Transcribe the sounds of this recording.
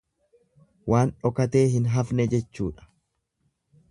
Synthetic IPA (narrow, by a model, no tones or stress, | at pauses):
waːnᶑɔkɐt̪e̞ːɦɪnɦɐfnɛd͡ʒɛt͡ʃːṵːᶑɐ̥